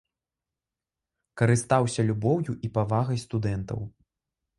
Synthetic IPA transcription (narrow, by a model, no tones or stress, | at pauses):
kɐɾɨst̪awsʲɐlʲubɔwjuʔipavaɣɐjst̪ud̪ɛnt̪ɐ̰w